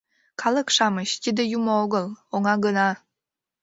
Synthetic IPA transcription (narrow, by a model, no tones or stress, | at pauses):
kʰɑləkʃɑməɕt̪id̪ejumooɣəlˠoŋɑɡənɑ